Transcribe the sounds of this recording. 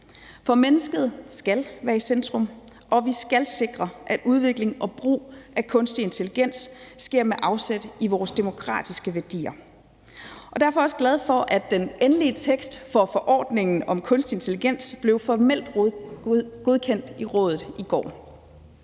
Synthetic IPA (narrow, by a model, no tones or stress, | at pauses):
fɒ̽menəsɡ̥əð̞̩ˠsɡ̥ælʋæːɐisend̥ʁɔ̽m | ʔɒ̽ʋisɡ̥ælse̝ɡ̥ʁɐʔæd̥uðˠʋe̝ɡ̥le̝ŋɒ̽b̥ʁṵːʔækʰɔ̽nsd̥ie̝nt͡sʰe̝liɡ̥en̰sːɡ̥e̝ɐ̰meʔɑ̈ʊsed̥iʋɒːsd̥e̝mo̝kʰʁɑ̰̈ːd̥isɡ̥əʋæɐd̥ḭːɐ | ʔɒ̽d̥æɐfɒ̽ɒ̽səɡ̥læð̞ˠfɒ̽ʔæd̥enenliət͡sʰeɡ̥sd̥fɒ̽fɒ̽ʔɒ̰ːd̥ne̝ŋn̩ɒ̽mkʰɔ̽nsd̥ie̝nt͡sʰe̝liɡ̥en̰sb̥le̝ʊfɒmel̰d̥ | ɡ̥o̝ð̞ˠkʰen̰d̥iʁɔ̰̽ːð̞ˠð̩ˠiɡ̥ɒ̰ː